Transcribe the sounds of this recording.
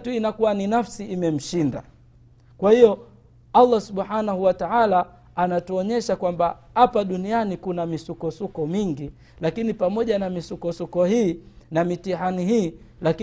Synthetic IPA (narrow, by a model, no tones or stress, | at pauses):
tuinakuwaninafsiʔimɛm̩ʃinda̰ | kwahijɔ | alˠːasuɓħanahuwataalaː | natuɔɲɛʃakwambahapaɗunianikunamisukɔsukɔmiŋɡi | lakinipamɔʄanamisukɔsukɔhiːnamitiɦaniɦiːlak